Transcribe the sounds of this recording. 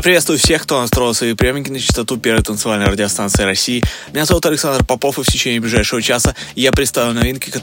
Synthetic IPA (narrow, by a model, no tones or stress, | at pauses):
apɾɪvʲet̪st̪vʊjʊfsʲe̞xkt̪onast̪ɾo̞jɪlˠsvɐjipɾʲɪjomʲɪkʲɪnət͡ɕɪ̥st̪ɐt̪upʲe̞rvəjt̪ənt̪sɨvalʲnəjrədʲɪɐst̪ansɨɪɾɐsʲijːmʲɪnʲazɐvut̪ɐlʲɪksand̪rpɐpofɨftʲɪt͡ɕenʲɪːblʲɪʐajʂɪvət͡ɕasəɪjapɾʲɪt̪st̪avʲlʊnɐvʲinkʲɪkɐ